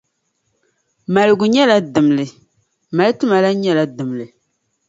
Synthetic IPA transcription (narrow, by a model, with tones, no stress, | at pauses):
ma˨lɨ˨ɡʊ˨ɲɛ˦la˦dɨ˨mlɨ˨ | ma˨lɨ˦tʊ˦ma˨la˦ɲɛ˦la˦dɨ˨mlɨ˨